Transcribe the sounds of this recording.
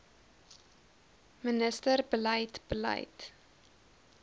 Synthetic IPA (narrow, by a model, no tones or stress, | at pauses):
mənəstərbələjtbəlɐ̰jt